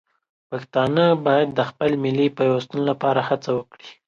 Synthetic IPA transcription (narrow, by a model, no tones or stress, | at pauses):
paxt̪ɑnəbɑjad̪ːəxpəlmɪlipajwast̪ənlapɑɾahat͡sawəkɽi